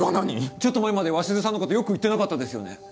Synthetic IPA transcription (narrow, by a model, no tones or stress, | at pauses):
ɡanaɲ̟it͡ɕo̞t̪ːo̞maemad̪eβaɕizɨs̬ãnːokot̪ojo̞kɯ̟it̪ːe̞nakat̪ːad̪e̞sɨjo̞̰ne̞̰